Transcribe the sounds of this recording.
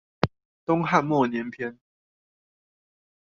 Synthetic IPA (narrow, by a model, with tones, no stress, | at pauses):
t̪ʊ˦ŋɦa˥˨nmwɔ˥˨˩njɛ˨˦npʰjɛ˦n